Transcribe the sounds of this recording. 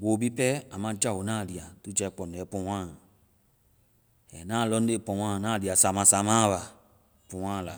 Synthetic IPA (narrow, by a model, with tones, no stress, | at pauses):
wo˨bi˦pɛ˦a˨mã˧˦d͡ʒa˦˨o˨nãː˦˨di˨a˨tu˦d͡ʒɛ˧˦k͡pɔ˨n˨ɛ˨˦pɔ̃˧˦wãː˦˨ | ɛ̰˨nãː˦˨lɔ˦n˦e˦˨pɔ̃˨wã˦˨nãː˦˨di˨a˨sa˨mã˨sa˨mãː˦˨βa˨ | pũ˨wã˦˨la̰˨